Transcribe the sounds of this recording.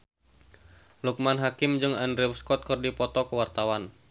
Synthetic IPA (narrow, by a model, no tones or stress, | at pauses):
luk̚manɦakɪmd͡ʒɨŋɛnɾiwskɔt̪̚kɨrdipɔt̪ɔkəwart̪awan